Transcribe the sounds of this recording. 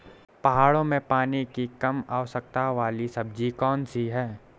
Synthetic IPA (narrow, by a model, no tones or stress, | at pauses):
pɐɦaːɽõmẽpaːnikikɐmaːʋsək̚t̪aʋaːlisɐb̚d͡ʒikɔːnsiɦɛː